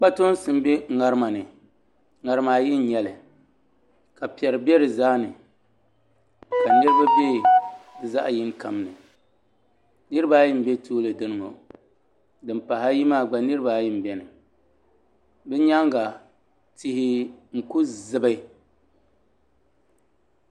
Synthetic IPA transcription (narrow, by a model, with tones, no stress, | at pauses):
k͡pa˦to˦n˦sɨ˨m˦bɛ˦ŋa˨ɾɨ˦ma˨nɨ˨ | ŋa˨ɾɨ˦maː˨jɪ˦n˦ɲɛ˨lɨ˨ | ka˨pi˨ɛ˨ɾɨ˨bɛ˦ɾɨ˨zaː˦nɨ˨ | ka˨nɨ˦ɾɨ˦ba˦be˦˨bɨ˨za˦ʔjɪ˦ŋka˨m˦nɨ˨ | nɨ˦ɾɨ˦ba˦jɪ˦m̩˦bɛ˦tʰoː˦lɨ˨dɨ˦nɨ˨ŋo˨ | dɨ˨mpa˨ɦa˦ji˦maː˦˨ɡ͡ba˨nɨ˦ɾɨ˦ba˨jɪ˦m̩˨bɛ˨nɨ˨ | bɛ˦ɲa˦ŋɡa˨ | ti˦hi˦ŋ̩˨ku˦zɨ˦ba˦